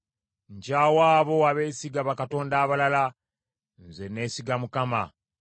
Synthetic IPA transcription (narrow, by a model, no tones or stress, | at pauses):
ɲɟaːwaːβo̞aβe̞ːsiɡaβakato̞ːndaːβalala | nzene̞ːsiɡamukama̰